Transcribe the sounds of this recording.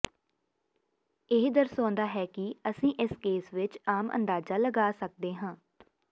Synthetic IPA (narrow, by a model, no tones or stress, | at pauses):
ɪɦd̪əɾsɔ̃ːnd̪aːɦɛːkɪəsĩːʔɪskeːsʋɪt͡ʃaːmə̰̃nd̪aːzaːləɡaːsək̚d̪eːɦãː